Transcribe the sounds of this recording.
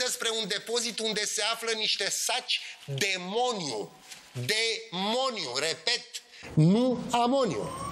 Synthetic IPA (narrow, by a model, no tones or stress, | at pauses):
espɾe̞und̪e̞po̞zit̪und̪e̞se̞afləniʃt̪e̞sat͡ʃʲd̪e̞mo̞nju | d̪emo̞njuɾe̞pe̞t̪ | nuamo̞niṵ